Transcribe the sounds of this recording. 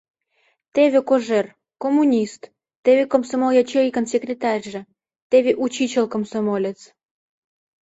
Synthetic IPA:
t̪eβʲekoʒer | komːunʲist̪ | t̪eβekomsomoljɑt͡ɕejkənsʲekrʲet̪ɑrʲʒĕ | t̪eβeʔut͡ɕit͡ɕelkomsomolʲet͡s

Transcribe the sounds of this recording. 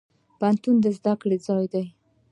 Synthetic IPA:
pant̪und̪əzd̪akɽed͡zɑjd̪aj

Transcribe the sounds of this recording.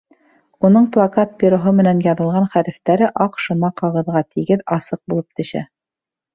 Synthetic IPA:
unɤɴplˠakat̪̚pʲiɾoɦɤmɘ̆nænjɑðɤ̆lˠʁɑnχæɾɘ̆ft̪æɾɘʔɑqʃŏnɑqɑʁɤ̆ðʁɑt̪ʰiɡɘðɑsɤq̚bulˠɤp̚t̪ɘ̆ʃæ̰

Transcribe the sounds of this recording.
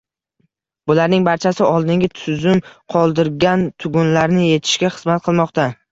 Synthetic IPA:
bʊlaɾnɪŋbaɾt͡ʃʰasɪɒlˠd̪ɪŋɡʲat̪ʰʊzʊmqʰɒlˠd̪ɪɾɡʲant̪ʰʊɡʊnlaɾnɪje̞t̪ʰɪ̥ʃkʲaχɨz̥mat̪̚qʰɨlˠmɒqt̪a

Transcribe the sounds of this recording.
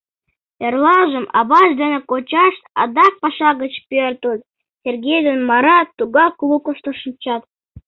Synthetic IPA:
erlˠɑʒə̆mɑ̰βɑʃd̪enĕkot͡ɕɑʃt̪ɑ̰d̪ɑk̚pɑʃɑɣət͡ɕpʲørt̪əlʲ | sʲerɡʲejd̪onmɑɾɑt̪ːuɡɑklˠukoʃt̪ɤ̆ʃɨmt͡ɕɑt̪

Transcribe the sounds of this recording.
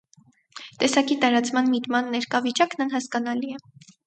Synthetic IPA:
t̪ɛsɑkit̪ɑɾɑt͡smɑnmit̪mɑnːɛɾkɑvit͡ʃɑknɑnɦɑskɑn̪ɑliɛ

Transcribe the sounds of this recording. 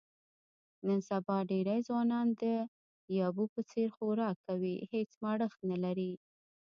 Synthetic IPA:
nənsabɑɖeɾajzwɑnɑnd̪ə | jɑbupət͡seɾxoɾɑkːawihet͡smɑɽəxt̪nalaɾi

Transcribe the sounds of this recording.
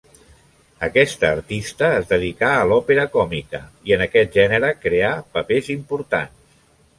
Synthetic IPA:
əkɛst̪əːɾt̪ist̪əːzðəðikaəlɔpeɾəkɔmikəiənəkɛt̪̚ʒɛnəɾəkɾeapəpezimpuɾt̪a̰ns

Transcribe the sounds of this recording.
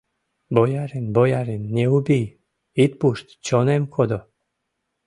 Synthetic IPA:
bojaɾinbojaɾinːʲeubij | it̪̚puʃt̪t͡ɕonemkʰod̪o

